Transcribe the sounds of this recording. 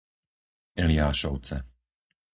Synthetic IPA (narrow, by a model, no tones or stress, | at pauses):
ɛliaːʃɔʊt͡sɛ